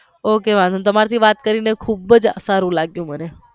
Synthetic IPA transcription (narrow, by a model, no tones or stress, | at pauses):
okeʋãnənt̪əmaɾt̪ʰiʋat̪kəɾinekʰubəd͡ʒsaɾũlaɡjũməne